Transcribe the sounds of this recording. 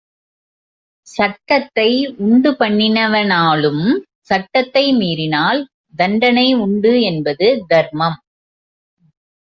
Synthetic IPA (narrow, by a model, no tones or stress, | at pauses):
sɐʈːɐt̪ːɐɪʊɳɖɯpɐɳːɪnɐʋɐnaːlɯm | sɐʈːɐt̪ːɐɪmiːɾɪnaːl | d̪ɐɳɖɐnɐɪʊɳɖɯɛnbɐðɯd̪ɐɾmɐm